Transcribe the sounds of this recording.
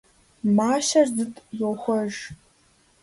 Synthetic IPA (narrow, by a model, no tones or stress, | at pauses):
maːʃɐrzɨtʼjoxʷɔʒ